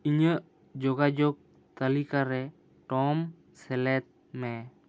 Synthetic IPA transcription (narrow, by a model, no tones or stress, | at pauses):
iɲəʔ | d͡ʒɔɡad͡ʒɔk̚ | t̪əlikaɾɛ | ʈɔm | sɛlɛt̪̚ | mɛ